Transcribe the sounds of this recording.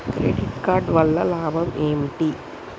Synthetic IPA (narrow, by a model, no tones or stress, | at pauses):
ɾḛɖiʈ̚kaːɾɖʋɐlːɐlaːbɐmemʈi